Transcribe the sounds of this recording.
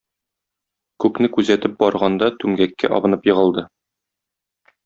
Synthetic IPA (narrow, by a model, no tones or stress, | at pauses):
kʉknɘkʉzæt̪ɘp̚bɒɾʁɑnd̪ɑt̪ʉmɡækːæ̰ʔɒ̰bɤ̆nɤpjɤ̆ʁɤ̆lˠd̪ɤ